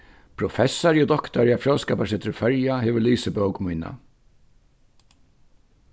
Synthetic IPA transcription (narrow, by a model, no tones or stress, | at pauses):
pʰɾɔfɛsːaɾjɔd̪ɔkt̪aɾafjɔlskɛːpasɛːt̪ʰɪɾfɛɹjahɛːʋʏliːsəbɔwkmujna̰